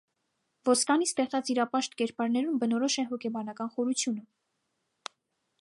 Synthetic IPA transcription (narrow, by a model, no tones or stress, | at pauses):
vɔskɑnist̪ɛχt͡sɑt͡siɾɑpɑʃt̪kɛɾpɑɾnɛɾumbənɔɾɔʃɛɦɔkʲʰɛbɑnɑkɑnχɔɾut͡sʰjunə